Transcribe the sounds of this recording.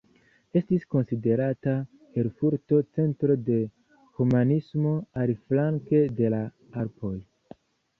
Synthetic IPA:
e̞stisko̞nside̞ɾata | e̞lfuɾto̞t͡se̞ntɾo̞de̞ | humanismo̞aliflaŋke̞de̞la | aɾpʰo̞j

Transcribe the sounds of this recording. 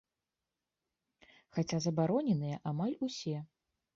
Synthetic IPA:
xat͡sʲazɐbaɾɔnʲɛnɨjɐʔamalʲusʲɛ

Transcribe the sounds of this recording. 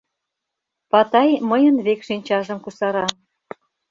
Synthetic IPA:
pɑt̪ɑjməjənβekʃinʲt͡ɕɑʒə̆mkusɑɾɑ

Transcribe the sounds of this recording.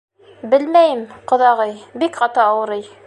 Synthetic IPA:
bɘlmæjɘmqŏðɑʁɤjbikχɑt̪ɤːwɤ̆ɾɤj

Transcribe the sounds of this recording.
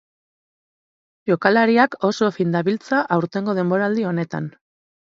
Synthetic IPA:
ʝo̞kalaɾiako̞so̞find̪aβilt͡saʔawɾt̪e̞ŋɡo̞ð̞e̞mbo̞ɾald̪io̞ne̞t̪a̰n

